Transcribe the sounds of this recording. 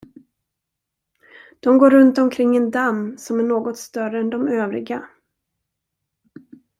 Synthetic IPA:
d̪̥ɔmɡoːɾɵnt̪ɔmkʰɾɪŋːɛnd̪amːsɔmæɳoːɡɔt̪st̪œɾəɛnd̪ɔmøːvɾɪ̰ɡa

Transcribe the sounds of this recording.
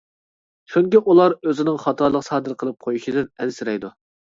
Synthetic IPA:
ʃuŋkʲɪʔulˠɑɾøzɪnɪŋχɑt̪ʰɑɾlˠəqsɑːd̪ɨɾqʰəlˠɨp̚qʰojuʃid̪ɪnɛnsɪɾɛjd̪u

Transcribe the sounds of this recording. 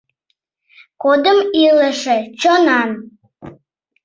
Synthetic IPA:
kod̪əmiləʃet͡ɕonɑn

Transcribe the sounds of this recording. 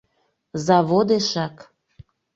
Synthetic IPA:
zɑβod̪eʃɑk

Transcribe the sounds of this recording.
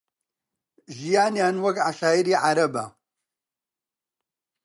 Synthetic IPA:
ʒijaːnjaːnwɐkʕaʃaːiɾiːʕaɾɐba̰

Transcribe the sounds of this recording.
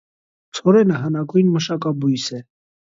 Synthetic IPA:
t͡sʰɔɾɛnəɦənɑkujnməʃɑkɑbujsɛ

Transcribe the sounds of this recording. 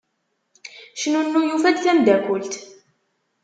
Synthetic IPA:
ʃnunːujufæd̪θæmd̪ækʊlt̪

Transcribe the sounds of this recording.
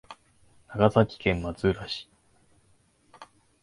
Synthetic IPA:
naɡazakʲi̥kẽ̞mmat͡sɨːɾaɕi̥

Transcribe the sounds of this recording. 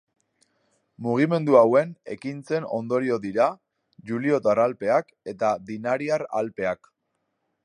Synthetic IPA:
muɣ̞ime̞nd̪uawe̞ne̞̰kint͡se̞no̞̰nd̪o̞ɾio̞ðiɾa | ʝulio̞t̪aralpe̞ak | e̞t̪aðinaɾiaɾa̰lpe̞ak

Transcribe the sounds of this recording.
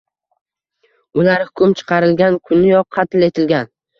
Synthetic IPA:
ʊlaɾhʊkʰʊmt͡ʃʰɨ̥qʰɑɾɪlɡʲankʰʊnɪjɒqʰːɑt̪ɪle̞t̪ʰɪlɡʲan

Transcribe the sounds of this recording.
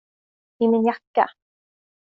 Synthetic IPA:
imɪnjakːa̰

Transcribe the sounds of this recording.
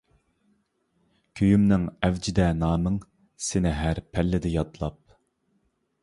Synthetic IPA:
kʲʰøjymnɪŋɛvd͡ʒid̪ɛnɑːmɨŋ | sɪnɪɦæɾpʰɛlːɪd̪ɪjɑt̪lˠɑp̚

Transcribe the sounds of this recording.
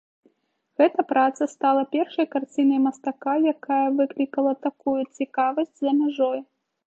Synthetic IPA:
ɣɛt̪ɐpɾat̪sɐst̪alˠɐpʲɛrʂɐjkart͡sʲinɐjmɐst̪akajakajɐvɨklʲikɐlˠɐt̪akujut͡sʲikavɐsʲd͡zʲzɐmʲaʐɔj

